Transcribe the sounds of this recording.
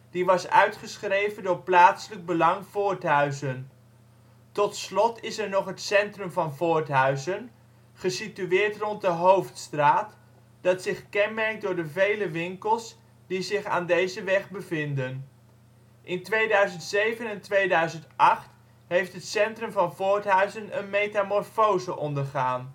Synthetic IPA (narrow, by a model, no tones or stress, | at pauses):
d̥iʋɑsœ̰ɥtχəsχrejvəndʊːɹplaːtsələɡ̚bəlɑŋv̥ʊːɹtɦœɥzən | tɔtslɔtɪsɛɹnɔχɦətsɛntrɵmvɑnvʊːɹtɦœɥzən | χəsityɪːɹtrɔnt̚dəɦowftstraːt | d̥ɑtsɪχkɛnmɛɹk̚dʊːɹdəvejləʋɪŋkəlˠs | d̥izɪχa̰ːndejzəʋɛχbəvɪndən | ʔɪntʋejdœɥzəntsejvənɛntʋejdœɥzəntɑχt | ɦejftɦətsɛntrɵmvɑnvʊːɹtɦœɥzənənmejtamɔrfowzəʔɔndəɹχaːn